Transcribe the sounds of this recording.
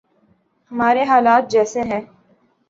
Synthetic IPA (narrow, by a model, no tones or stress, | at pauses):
hmaːɾeɦaːlaːt̪̚d͡ʒɛːseɦɛ̃ː